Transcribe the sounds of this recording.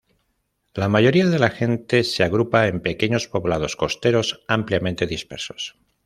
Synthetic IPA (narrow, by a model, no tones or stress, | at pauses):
lamaʝo̞ɾiaðe̞laxe̞nt̪e̞se̞aɣ̞ɾupaempe̞ke̞ɲo̞spo̞βlað̞o̞sko̞st̪e̞ɾo̞sampljamẽnt̪e̞ðispe̞̰ɾso̞̥s